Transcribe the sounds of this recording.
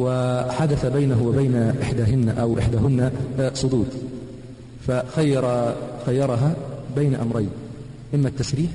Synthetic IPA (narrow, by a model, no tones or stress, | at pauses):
wɪħad̪aθabajnaɦʊwɪbajnaʔɪħd̪aːɦɪnːʔawʔɪ̰ħd̪aːɦɪnːasˤʊd̪uːd̪ | faxajːɑɾˤxajːɑɾˤɑɦabajnaʔamɾˤajn | ʔɪmːat̪ːasɾiːħ